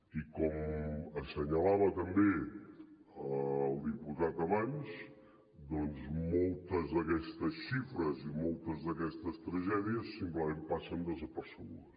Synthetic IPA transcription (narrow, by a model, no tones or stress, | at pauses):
ikɔməsːəɲəlaβət̪əmbe | əlˠd̪iput̪at̪əβaɲz | d̪ɔnzmɔlˠt̪əzðəkɛst̪əsʃifɾəzimɔlˠt̪əzðəkɛst̪əst̪ɾəʒɛðiəsːimpləmempasənd̪əzəpəɾsəɣuðəs